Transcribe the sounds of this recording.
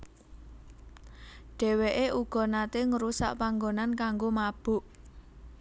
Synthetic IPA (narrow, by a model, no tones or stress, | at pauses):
ɖ̥ɛ̤weʔeuɡ̥ɔ̤nat̪eŋəɾusa̰ʔpaŋɡonankaŋɡomab̥ʊ̤ʔ